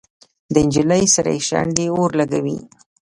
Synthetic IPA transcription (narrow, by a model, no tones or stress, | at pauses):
d̪əɪnd͡ʒiləjsaɾa̰jeʃa̰ɳɖeoɾlaɡawḭ